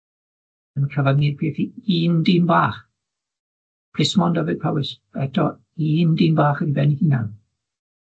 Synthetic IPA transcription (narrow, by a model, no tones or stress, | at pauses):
ənkʰəvadmiːrpʰeːθiiːndiːmbaːχ | pʰrɪsmɔndɔvɪd̚pʰawɪs | ɛtʰɔ | iːndiːnbaːχəribɛnihɪnan